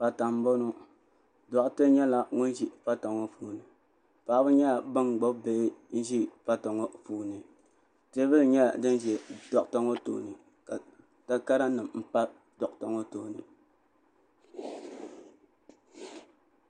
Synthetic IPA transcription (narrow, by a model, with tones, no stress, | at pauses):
pa˨ta˨m˦bo˦no˦ | dɔ˨ʔtɨ˦ɲɛ˦la˦ŋʊ˦n˦ʒi˦fa˦ta˨ŋɔ˦fuː˦˨nɨ˨ | pa˨˦bɨ˦ɲɛ˦la˨ba˦ŋɡ͡bɔ˦bbe˦n̩˦ʒi˦fa˦ta˨ŋo˦fuː˦nɨ˨ | te˦bɨ˦lɲɛ˦la˨dɨ˦n˦ʒɛ˨dɔ˨ʔta˦ŋo˦to̰ː˨nɨ˨ | ka˨ | ta˦ka˦ɾa˦nɨ˨mm̩˦pa˦ | dɔ˨ʔta˨ŋo˦toː˦˨nɨ˨